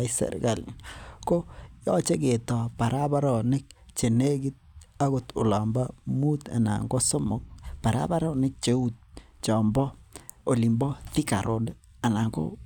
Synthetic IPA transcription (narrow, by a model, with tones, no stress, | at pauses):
isɛ̰˨ɾ̰ɡa˨l̰ko˦jɔ˦t͡ʃe˦ke˨tɔ˨pa˨ɾʔa˦ba˦ɾɔ˨nɪ˦k̚t͡ʃe˨ne˦ɡi˦t̚a˦ɣo˨tʊ̰˨la˨mba˦mu˦ta̰˨na̰˨ŋɡo˦so˦mo˦k̚pa˨ɾa̰˦ba˦ɾɔ˦nɪ˦k̚t͡ʃe˦u˦t̚t͡ʃɔ˨mbɔ˦o˨li˨mbɔ˦ti˦ka̰˨ɾʔo˦d | a˨na˨ŋɡo̰˦